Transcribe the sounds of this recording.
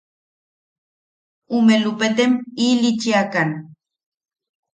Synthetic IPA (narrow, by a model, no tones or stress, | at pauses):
umelupet̪emilit͡ʃiakan